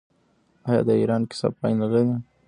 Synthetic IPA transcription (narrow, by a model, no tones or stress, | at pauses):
ɑjɑ̰d̪əiɾɑnkɪ̥sɑ̰b̚pɑjnalaɾi